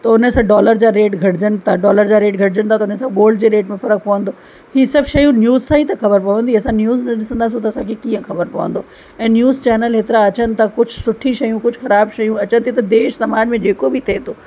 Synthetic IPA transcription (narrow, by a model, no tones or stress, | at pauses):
t̪ɐʊnəsãːɖɔːləɾd͡ʑaːɾeːʈɡʱɐʈɪd͡ʑənɪ̆t̪ʰaɖɔːləɾd͡ʑaːɾeːʈɡʱɐʈɪd͡ʑənɪt̪ʰat̪ɐʊnənsãɠoːlɖd͡ʑeɾeːʈmẽfɐɾək̚pɐʋə̃nd̪oː | hisɐbʱʃɐjũnjuːzsãːit̪ɐxɐbəɾpɐʋə̃nd̪ʱiɐsãnjuːznɐɗɪsə̃nd̪aːs̬ũt̪ɐɐsãkʰekiːə̃xɐbəɾpɐʋə̰̃nd̪oː | ɛ̃ːnjuːzt͡ɕɛːnəlɦeːt̪ɪɾaɐt͡ɕənɪ̆t̪ʰakʊd͡ʑʱʊsʊʈʰĩʃɐjũkʊd͡ʑʱʊxɐɾaːbʃɐjũɐt͡ɕə̃nt̪ʰit̪ɐd̪eːʃsɐmaːd͡ʑmẽd͡ʑeːkobɪt̪ʰet̪ʰoː